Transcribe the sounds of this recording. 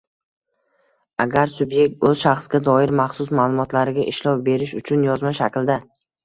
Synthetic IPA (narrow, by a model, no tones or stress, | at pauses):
aɡʲaɾsʊbje̞k̚t̪ɵz̥ʃaχsɡʲad̪ɒɪɾmaχsʊsmaːlˠʊmɒt̪laɾɪɡʲaʔɪʃlɒwbe̞ɾɪʃʊt͡ʃʰʊnjɒzmaʃakʲld̪a